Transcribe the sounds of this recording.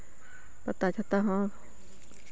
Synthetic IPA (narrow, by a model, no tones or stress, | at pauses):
pɐt̪at͡ʃʰat̪aɦə̃